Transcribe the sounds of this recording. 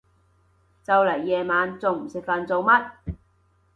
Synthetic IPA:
t͡sɐ˨wlɐ˨˩jːɛː˨˧maː˨˧nt͡so˨wm̩˨˩sɪ˨k̚fɐ˨˧nt͡so˨˧wmɐ˥t̚

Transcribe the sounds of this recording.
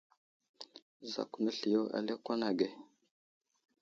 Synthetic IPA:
za̰˨ku˨nə˦ɬi˨jo˦ʔa̰˨le˦kwa˦na˨ɡe˨

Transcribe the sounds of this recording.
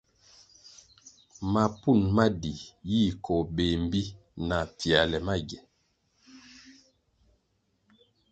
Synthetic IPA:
ma˨pu˦˨nma˦di˨ji˦˨kʰɔ˨be˨m̩˦bi˦ | na˨pi˨a˨lɛ˨ma˦ɡɛ˨n

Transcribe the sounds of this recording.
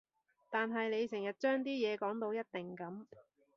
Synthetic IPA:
t̪aː˨nɦɐ˨jne˨˧jsɪ˨˩ŋjɐ˨˩t̚t͡ʃœː˥ŋt̪̬iː˥jɛː˨˧kɔː˨˥ŋt̪o˧wjɐ˥t̚t̪ɪ˨ŋkɐ˨˥m

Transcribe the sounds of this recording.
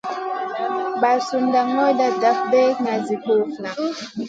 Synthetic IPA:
ba˨su˨nda˨ŋɔ˦jda˨da˨f̚bɛ˦na˨zi˨ko˦fna˨

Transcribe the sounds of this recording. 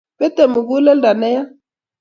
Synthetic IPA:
pɛ˦t̪e˨mu˨ɡu˦lɛ˦lda˨nɛ˦ja˦

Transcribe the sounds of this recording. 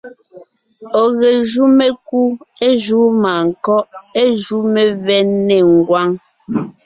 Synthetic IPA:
ɔ˨ɣe˨ʒu˦me˦ku˦e˦ʒu˦maː˨ŋ̩˨kɔ˦ʔe˦ʒu˦me˨vɛ˦ne˨ŋ̩˨ɡwa˦ŋ

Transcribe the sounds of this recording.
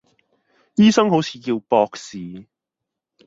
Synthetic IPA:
jiː˥sɐ˥ŋɦo˨˥wt͡sʰi̥ː˨˧kiː˧wpɔː˧k̚siː˨

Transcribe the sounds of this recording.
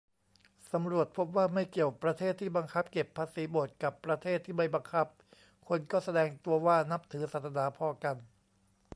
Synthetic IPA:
sa˩˦mɾu˨˩ət̪̚pʰo˦˥p̚waː˥˩ma˥˩jki˨˩əka˨˩pɾa˧t̪ʰeː˥˩t̪ʰːiː˥˩ba˧ŋkʰa˦˥p̚ke˨˩pʰːaː˧siː˩˦boː˨˩t̪̚ka˨˩pːɾa˧t̪ʰeː˥˩t̪ʰːiː˥˩ma˥˩jba˧ŋkʰa˦˥p̚ | kʰo˧nkɔː˥˩sa˧dɛː˧ŋt̪u˧ɐwaː˥˩na˦˥p̚t̪ʰɯː˩˦saː˨˩t̪̚sʰa˧naː˩˦pʰɔː˧ka˧n

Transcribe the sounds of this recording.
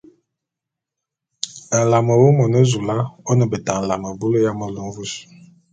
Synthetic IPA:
ə˨la˨mə˨wo˦mɔ˨nə˦zu˨la˦ɔ˦nə˨bə˨ta˨n̩˨la˨mə˨bu˦lə˦ja˦mə˦lo˨n̩˦vu˦s

